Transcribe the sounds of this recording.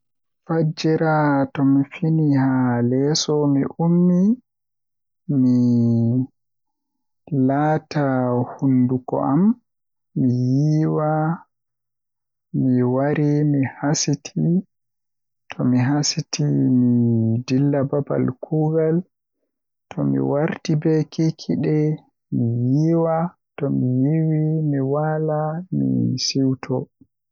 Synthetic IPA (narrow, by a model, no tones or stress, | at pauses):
fad͡ʒɛɾatɔmifinihalɛsɔmiʔumːi | mi | laːtahundukɔ̰ʔamː | ijiːwa | miwaɾimihasitʰi | tʰɔmiɦasitʰimidilːababa̰lkʰuːɡal | tʰɔmḭwaɾtibɛkʰikʰiɗɛ | mijiwa | tɔmijiwimiwalamḭsiwtʰɔ